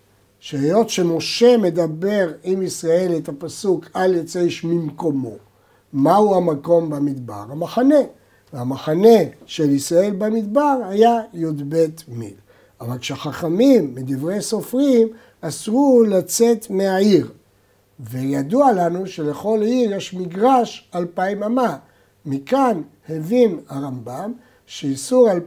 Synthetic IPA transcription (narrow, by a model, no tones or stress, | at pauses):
ʃeːjo̞tʃe̞mo̞ʃe̞me̞d̪abe̞ʁimisʁae̞let̪apasukʰaljet͡seʃmimko̞mo̞ | mauhamako̞mbamid̪ba̰ʁhamaχane̞ | veamaχane̞ʃelisʁae̞lbamid̪baʁhajajod̪be̞t̪mḭl | avalkʃeaχaχamimːid̪ivʁejso̞fʁim | asʁulat͡se̞t̪me̞aiʁ | ve̞jad̪ualanuʃe̞le̞χo̞liʁjeʃmiɡʁaʃalpaimama | mikanhevinhaʁambam | ʃeisuʁal